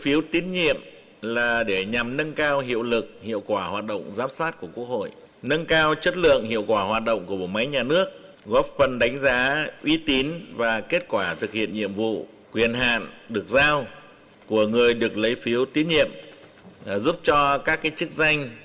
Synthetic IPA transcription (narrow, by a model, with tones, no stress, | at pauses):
fi˨˦əwt̪i˨˦ənɲḭ˧˨əm | laː˨˩ɗe˧˩ɲa˨˩mnə˧nkaː˧wɦḭ˧˨əwlɨ˨˩k̚hḭ˧˨əwkwaː˧˩hwaː˨˩t̚ɗə̰˧˨wŋ͡mzaː˨˦msaː˦˥t̚ku˧˩əku˦˥ək̚ho̰˧˨jʔ | nə˧nkaː˧wt͡ɕə˦˥t̚lɨ̰˧˨əŋhḭ˧˨əwkwaː˧˩hwaː˨˩t̚ɗə̰˧˨wŋ͡mku˧˩əɓo̰˧˩ma˨˦jɲaː˨˩nɨ˦˥ək̚ | ɣɔ˦˥p̚fə˨˩nɗa˨˦jŋ̟zaː˨˦ʔwʔi˨˦t̪i˨˦nvaː˨˩ke˦˥t̚kwaː˧˩t̪ʰɨ˨˩k̚hḭ˧˨ənɲḭ˧˨əmvṵ˧˨ | kwi˨˩ənɦa̰ː˧˨nɗɨ˨˩ək̚zaː˧w | ku˧˩əŋɨ˨˩əjɗɨ˨˩ək̚lə˨˦jfi˨˦əwt̪i˨˦nɲḭ˧˨əm | zu˦˥p̚t͡ɕɔ˧kaː˦˥kːaː˨˦jt͡ɕɨ˦˥k̚za˧jŋ̟